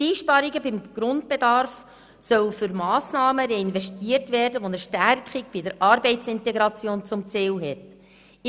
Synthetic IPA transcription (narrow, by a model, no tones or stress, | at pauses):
iːʃpɑɾiɡəbɪmɡ̥ɾʊnd̚b̥edɑɾf | sœwfʏɾmɑːsnɑːməɾɛinvɛʃtiərtvæːrdəʋonəʃtæɾkχiɡ̚b̥idəɾʔɑɾbɛɪtt͡sɪnteɡɾɑt͡sjoːnt͡sʊmt͡siːlɦɛt